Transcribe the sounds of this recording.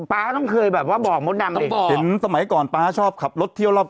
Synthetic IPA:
paː˦˥t̪ɔ˥˩ŋkʰɤː˧jbɛː˨˩p̚waː˥˩bɔː˨˩k̚mo˦˥t̪̚na˧m˩i˧ɔː˧˨he˨˦nsa˧ma˨˩˦jkɔː˨˩npaː˦˥t͡ɕʰɔː˥˩p̚kʰa˨˩p̚lo˦˥t̪ʰːi˥˩əwlɔ˧˩p̚

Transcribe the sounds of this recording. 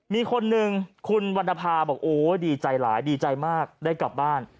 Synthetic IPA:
miː˧kʰo˧nːɯ˨˧ŋkʰu˧nwa˧nda˧pʰaː˧bɔː˨˩k̚ʔoː˨˦˩diː˧t͡ɕa˧jlaː˩˦jdiː˧t͡ɕa˧jmaː˥˩k̚daː˥˩jkla˨˩p̚baː˥˩n

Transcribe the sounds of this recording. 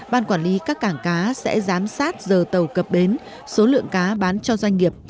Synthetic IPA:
ɓaː˧˩nkwaː˧˩nli˨˦kaː˦˥kːaː˧˩ŋkaː˨˦sɛ̰˧˥zaː˨˦msaː˦˥t̚zəː˨˩t̪ə˨˩wkə˨˩p̚ɓɗe˨˦n | so˨˦lɨ̰˧˨əŋkaː˨˦ɓaː˨˦nt͡ɕɔ˧zwa˧jŋ̟ŋi˨˩əp̚

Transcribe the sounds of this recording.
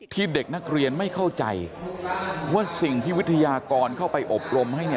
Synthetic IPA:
t̪ʰiː˥˩de˨˩k̚na˦˥k̚ɾi˧ənma˥˩jkʰa˥˩wt͡ɕa̰˧j | waː˥˩si˨˩ŋpʰi˥wi˦˥t̪ʰa˧jaː˧kɔː˧nkʰa˥˩wpa˧jʔo˨˩p̚ɾo˧mɦa˥˩jni˥˩

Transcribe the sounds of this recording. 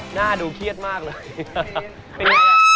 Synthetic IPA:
naː˥˩duː˧kʰi˥˩ət̪̚maː˥˩k̚lɤː˧j | pe˧n

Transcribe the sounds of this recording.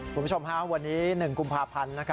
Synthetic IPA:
u˧˩mː˦u˥t͡ɕʰo˧mkʰa˦˥wa˧nːiː˦˥nɯ˨˩ŋku˧mpʰaː˧pʰa˧nːa˦˥kʰa˦˥

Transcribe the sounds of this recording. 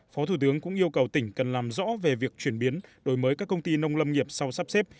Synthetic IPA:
fɔ˨˦t̪ʰu˧˩t̪ɨ˨˦əŋkʊ̰˧˥ŋ͡mʔi˧əwkə˨˩wt̪ï˧˩ŋ̟kə˨˩nlaː˨˩mzɔ̰˧˥ve˨˩vi˨˩ək̚t͡ɕwi˧˩ənɓi˨˦ənɗo˨˩˦jməː˨˦jkaː˦˥kːə˧wŋ͡mt̪i˧nə˧wŋ͡mlə˧mŋi˨˩əp̚sa˧wsaː˦˥p̚sɛ˦˥p̚

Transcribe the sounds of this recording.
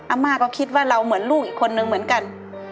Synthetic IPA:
ʔa˧˩mːaː˧˩kɔː˧˩kʰi˧˥t̪̚waː˧˥˩ɾa˧wmɯ˩˦ənluː˥˩kʔiː˧˩kʰːo˧nːɯ˧ŋm˩˦ənka˨n

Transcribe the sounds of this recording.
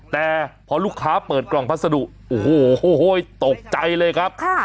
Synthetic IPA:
t̪ɛː˨˩pʰɔː˧luː˥˩kʰːaː˦˥pɤː˨˩t̪̚klɔː˨˩ŋpʰa˦˥t̪̚sa˧du˨˩ʔ̚ | ʔoː˨˩ho˧˩˧jt̪o˨˩k̚t͡ɕa˧jlɤː˧jkʰa˦˥p̚kʰa˥˩

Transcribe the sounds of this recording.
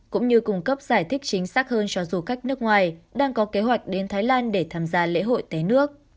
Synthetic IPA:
kʊ̰˧˥ŋ͡mɲɨ˧kʊ˧ŋ͡mkə˦˥p̚z̥aː˧˩jt̪ʰï˦˥k̚t͡ɕï˨˦ŋ̟saː˦˥k̚həː˧nt͡ɕɔ˧zu˨˩ka˦˥jk̟̚nɨ˦˥ək̚ŋwaː˨˩jɗaː˧ŋkɔ˨˦ke˨˦ɦwa˨˩jk̟̚ɗe˨˦nt̪ʰaː˨˦jlaː˧nɗe˧˩t̪ʰaː˧˩mzaː˧lḛ˧˥ɦo̰˧˨jt̪a˨˦nɨ˦˥ək̚

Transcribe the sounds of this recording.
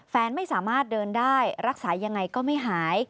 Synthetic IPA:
fɛː˧nma˥˩jsaː˩˦maː˥˩t̪̚dɤː˧ndaː˥˩jɾa˦˥k̚saː˩˦ja˧ŋːa˧jkɔː˥˩ma˥˩jɦaː˩˦j

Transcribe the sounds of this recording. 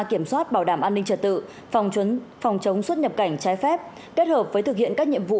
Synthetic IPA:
ki˧˩əmswaː˦˥t̚ɓaː˧˩wɗaː˧˩mʔaː˧nːï˧ŋ̟t͡ɕəː˧˩t̪ɨ̰˧˨ | fwŋ͡mt͡ɕwə˨˦nfɔ˨˩wŋ͡mt͡ɕə˨˦wŋ͡mswə˦˥t̚ɲə˨˩p̚ka˧˩jŋ̟t͡ɕaː˨˦jfɛ˦˥p̚ | ke˦˥t̚həː˨˩p̚vəː˨˦t̪ɨ˨˩k̚hḭ˧˨ənkaː˦˥k̚ɲḭ˧˨əmvṵ˧˨

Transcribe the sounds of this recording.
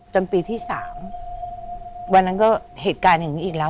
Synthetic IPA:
t͡ɕa˧mpiː˧t̪ʰiː˥˩saː˩˦m | wa˧nːa˦˥nkɔː˥˩heː˨˩t̪̚kaː˧nhɯ˨˩˦ʔiː˨˩k̚lɛː˦˥

